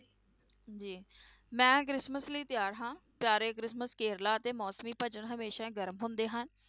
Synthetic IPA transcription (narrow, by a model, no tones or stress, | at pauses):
d͡ʒiːmɛ̃ːk̬ɾɪsməsliːt̪ɪjaːɾɦãːpjaːɾeːkɾɪsməskeːɾlaːət̪eːmɔːsmiːpəd͡ʒəɳɦəmeːʃãːɡəɾmɦʊ̃nd̪eːɦən